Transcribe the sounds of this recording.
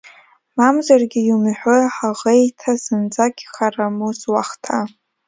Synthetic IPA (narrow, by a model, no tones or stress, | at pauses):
mamzarɡʲɪjumħʷᶣoħaʁejtʰazɨnd͡zaɡʲχaramuzwaχtʰa